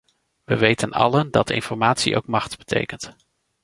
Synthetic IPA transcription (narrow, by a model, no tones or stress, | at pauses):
ʋəʋejtənɑ̰ləndɑtɪ̰nfɔɹmaːtsiʔo̰wkmɑχtb̥ətʰḛjkənt